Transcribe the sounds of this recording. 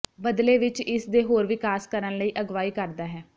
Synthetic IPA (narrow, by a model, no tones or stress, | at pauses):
bəd̪leːʋɪt͡ʃɪsd̪eːɦoːɾʋɪkaːskəɾənləiːʔəɡʋaːiːkəɾd̪aːɦɛː